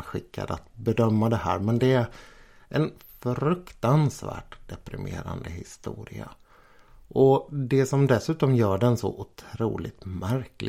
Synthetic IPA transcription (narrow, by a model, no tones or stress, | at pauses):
ɧɪkːa̰d̪at̪bɛd̪œmːad̪ɛhæːɾmɛnd̪ɛæɾʔɛnfɾɵkt̪ansvæ̰ːʈd̪̥ɛpɾɪmʔeːɾa̰nd̪əhɪst̪uːɾɪa | ʔɔd̪ɛsɔmd̪ɛsʉ̟ːt̪ɔmjœːɖɛnsɔ̰ʔʊt̪ʰɾuːlɪt̪mæɾklɪ